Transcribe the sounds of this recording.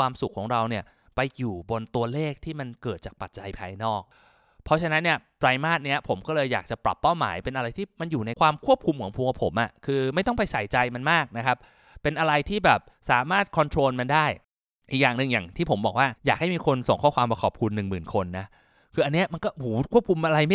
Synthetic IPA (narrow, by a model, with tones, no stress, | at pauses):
kʰwaː˧msu˨˩kʰːɔː˩˦ŋɾa˧wni˥˩ɐ | pa˧jjuː˨˩bo˧nt̪u˧ɐleː˥˩k̚t̪ʰiː˥˩ma˧nkɤː˨˩t̪̚t͡ɕaː˨˩k̚pa˨˩t̪̚t͡ɕa˧jpʰa̰ː˧jnɔː˥˩k̚ | pʰɔ˦˥t͡ɕʰa˧na˦˥nːi˥˩ɐt̪ɾa˧jmaː˥˩t̪̚ni˦˥ɐpʰo˩˦mkɔː˥˩lɤː˧jːaː˨˩k̚t͡ɕa˨˩ɾa̰˨˩pːa˥˩wma̰ː˩˦jpe˧nʔa˧ɾa˧jt̪ʰiː˥˩ma˧njuː˨˩na˧jkʰwaː˧mkʰu˥˩əp̚kʰu˧mkʰɔː˨˩˦ŋpʰu˧kʰa˨˦˥pʰo˩˦mʔa˨˩kʰɯː˧ma˥˩jt̪ɔ˥˩ŋpʰa˧jsaː˩˦jt͡ɕa˧jma˧nmaː˥˩k̚na˦˥kʰa˦˥p̚ | pe˧nʔa˧ɾa˧jt̪ʰiː˥˩bɛː˨˩p̚saː˩˦maː˥˩t̪̚kʰɔ˧nt̪ʰɾoː˧nma˧ndaː˥˩j | ʔi˨˩k̚jaː˨˩ŋnɯ˨˧ŋjaː˨˩ŋt̪ʰiː˥˩pʰo˩˦mbɔ̰ː˨˩k̚waː˥˩jaː˨˩k̚ha˥˩jmiː˧kʰo˧nso˨˩ŋkʰɔː˥˩kwaː˧mpa˧kʰɔː˨˩p̚kʰu˧nːɯ˨˩ŋmɯː˨˩nkʰo˧nːa˦˥ | kʰɯː˧ʔa˧nːi˦˥ɐma˧nkɔː˥˩huː˨˦kʰu˥˩əp̚kʰu˧mʔa˧ɾa˧j